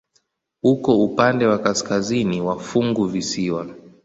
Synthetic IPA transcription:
hukɔupandɛwakaskaziniwafuŋɡuvisiwa

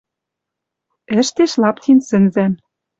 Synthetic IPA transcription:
ɘ̆ʃt̪eʃlɑpt̪ʰinsɘ̆nzæn

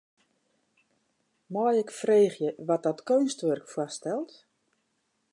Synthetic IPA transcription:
mɔjɛkfreːxjəʋɔt̚dɔtkøɥnstʋørkfwastɛlˠt

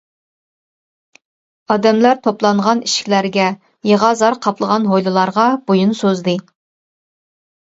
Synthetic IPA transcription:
ɑd̪ɛmlæɾt̪ʰoplˠɑɴʁɑniʃkʲlæɾɡʲɛ | jeʁɑzɑɾqʰɑplˠəʁɑnɦojlˠɨlˠɑɾʁɑb̥ojunsozd̪ɨ

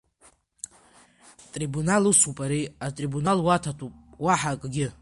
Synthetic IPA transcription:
tʼribunalɨsupʼaɾiatʼribunalwatʰatʰʷʼupʼwaħakʼɡʲɪ

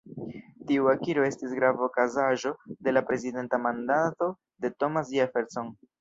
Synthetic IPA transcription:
tiuakiɾo̞e̞stisɡɾavokazaʒo̞de̞lapɾe̞zide̞ntamandato̞ | de̞to̞mas̬iafeɾson

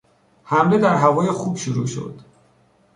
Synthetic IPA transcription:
hæmle̞d̪æɾɦævɒːjexuːbʃuɾṵːʃo̞̰d̪̥

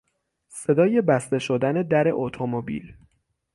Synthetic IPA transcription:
se̞d̪ɒːje̞bæst̪e̞ʃod̪æne̞d̪æɾe̞ʔot̪ʰomobḭl

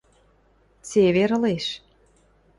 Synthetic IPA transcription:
t͡seβeɾə̆leʃ

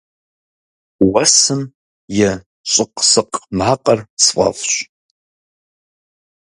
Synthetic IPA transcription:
wɐsɨm | jɛ | ɕʷʼɨqʼsɨqʼmaːqʼɐrsfʼa̰fɕʷ

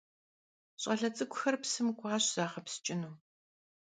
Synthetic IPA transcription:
ɕʼɐɮɐt͡sʼɨkʷʰʼʊxɐrpsɨmɡʷɑːɕz̥aːχɐpsɨ̥t͡ʃʼɪnuː

